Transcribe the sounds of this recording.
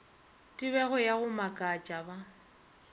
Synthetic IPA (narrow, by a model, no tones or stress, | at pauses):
tʼɪbɛɣʊjaɣʊmakʼat͡ʃʼaba